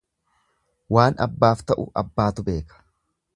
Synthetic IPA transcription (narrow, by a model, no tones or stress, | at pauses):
waːnɐ̰bːaːft̪ɐʔʊ̰ʔɐbːaːt̪ʊbe̞ːkɐ̥